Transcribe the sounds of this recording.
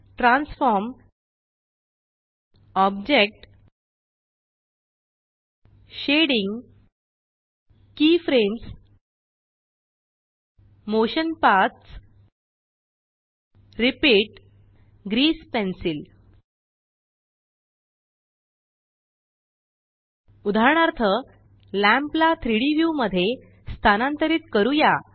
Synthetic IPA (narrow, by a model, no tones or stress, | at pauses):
ʈɾãnsfɔɾm | ɔbd͡ʑek̚ʈ | ɕeɽĩŋɡ | kiːfɾẽns | moɕənpaɾt̪s | ɾipiːʈ | ɡɾiːspensil | ud̪ʱaɾɳaɾt̪ʰə | læ̃mplat̪ʰɾiɽiʋjuməd̪ʱːje | st̪ʰanant̪əɾiːt̪kəɾuja